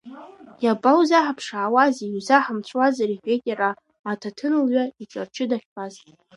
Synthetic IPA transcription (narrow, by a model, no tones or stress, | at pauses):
jabʼawzaħapʰʂaːwaziuzaħamt͡ɕʷʰwazaɾiħᶣetʲʼeɾaː | tʰatʰɨnɨlɥʷaiʈ͡ʂʼart͡ʃʰɨdaχʲbaztʼ